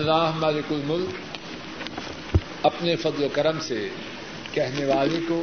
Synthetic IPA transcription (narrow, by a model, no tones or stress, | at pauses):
ɐlːaːɦmɐlɪkʊlmʊlk | ɐpnefɐd̪lokɐɾəmse | kɛɦneʋaːleko